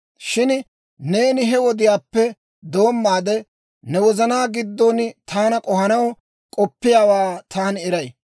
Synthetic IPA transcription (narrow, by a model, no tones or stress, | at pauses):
ʃɪn | ne̞ːnɪɦɛwɔd̪ɪjaːpːɛ | d̪oːmːaːd̪ɛ | nɛwɔzɐnaːɡɪd̪ːont̪ʰaːnɐkʼɔhɐnɐw | kʼɔpːɪjaːwaːt̪ʰaːnɪɾɐj